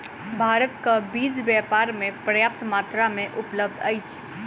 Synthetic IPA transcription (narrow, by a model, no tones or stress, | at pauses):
bʱaːɾət̪kabiːd͡ʒbjaːpaːɾmẽpɾəjaːp̚t̪maːt̪ɾamẽʔʊpləb̚d̪a̰it͡ʃʰ